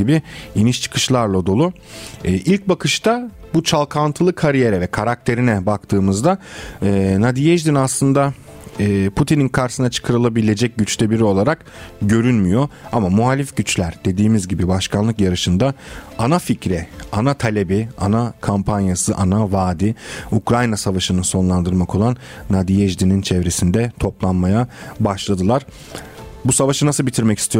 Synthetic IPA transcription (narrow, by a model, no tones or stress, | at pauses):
ibiiniʃt͡ʃʰɯ̥kʰɯ̥ʃlˠaɾlˠad̪o̞lˠuː | ʔilʲc̚bakʰɯʃt̪abut͡ʃʰalˠkʰant̪ʰɯlˠɯkʰaɾije̞ɾɛvɛkʰaɾak̚t̪ʰe̞ɾinɛbakt̪ʰɯːmɯzd̪aɯːnad̪ijɛʒd̪inaslˠɯnd̪aː | pʰut̪ʰininkʰaɾsɯnat͡ʃʰɯ̥kʰaɾɯlˠabilʲe̞d͡ʒɛc̚ɟyt͡ʃt̪ʰɛbiɾio̞lˠaɾak | ɟø̞ɾynmyjo̞amamuɦalʲifɟyt͡ʃlʲæɾd̪̥e̞d̪iːmizɟibibaʃkʰanlˠɯkjaɾɯʃɯnd̪aanaficɾɛanat̪ʰalʲebianakʰampʰanjasɯʔanavaːd̪iukɾajnasavaʃɯnɯso̞nlˠand̪ɯɾmakʰo̞lˠanː | ad̪ijɛʒd̪inint͡ʃʰɛvɾe̞sind̪ɛt̪ʰo̞plˠanmajabaʃlˠad̪ɯlˠaɾ̥ | busavaʃɯnasɯlˠbit̪ʰiɾmɛci̥st̪ʰijo